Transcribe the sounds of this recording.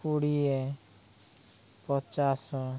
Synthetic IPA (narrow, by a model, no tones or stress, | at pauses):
uɽiɛ | pɔt͡ʃasɔ